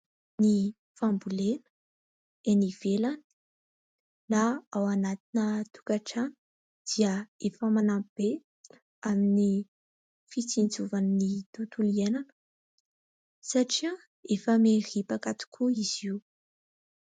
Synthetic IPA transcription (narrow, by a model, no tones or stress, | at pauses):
ni | fambulenə̥ | eniv̥elanə̥ | naawanat̪inət̪u̥kaʈ͡ʂanə̥ | d̪̥iəefəmanamb̥e | amini | fit͡sind͡zuvannit̪ut̪ulienanə̥ | saʈ͡ʂi | efəmeripakat̪i̥kʰuiz̥iu